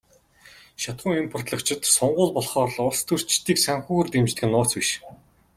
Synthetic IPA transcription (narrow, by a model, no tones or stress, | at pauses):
ʃat̪χʊ̆ːŋimpʰʊr̥t̪ɮə̆kt͡ɕʰɪ̆t̪sɔɴɢʊːɮpɔɮχɔːrɮʊɮst̪ʰɵr̥t͡ɕt̪iːksæŋxuːɣɘ̆rt̪emt͡ɕt̪ɘɡɘ̆nːʊːt͡swiʃ